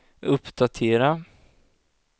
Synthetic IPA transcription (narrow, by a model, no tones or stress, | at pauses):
ɵpːd̪at̪ʰeːɾa